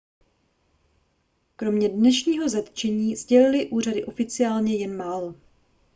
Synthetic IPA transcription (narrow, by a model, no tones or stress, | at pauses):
kɾo̞mɲɛdnɛʃɲiːɦo̞zat̪t͡ʃɛɲiːzɟɛlɪlɪʔuːr̝adɪʔo̞fɪt͡sɪaːlɲɛjɛnmaːlo̞